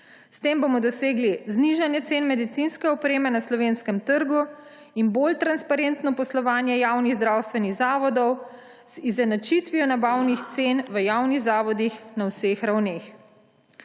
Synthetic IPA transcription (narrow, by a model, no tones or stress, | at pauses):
st̪embomɔd̪ɔseːɡlizniʒanjɛt̪senmɛd̪it̪sinskɛɔpɾeːmɛnaslɔʋenskɛmt̪əɾɡu | inbolt̪ɾanspaɾent̪nɔpɔslɔʋaːnjɛjaːwniɣzd̪ɾaːwst̪ʋɛniɣzaːʋɔd̪ɔw | z̥izɛnat͡ʃit̪ʋiɔnabawnixt̪seːnʋəjaːwniɣzaːʋɔd̪ixnawsexɾawneːx